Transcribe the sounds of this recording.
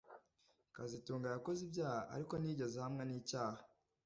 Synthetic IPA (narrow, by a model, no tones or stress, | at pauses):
kazituːŋɡajako̞zibɟaːhaʔa̰ɾiko̞niːɟe̞zehamŋe̞niːcaːha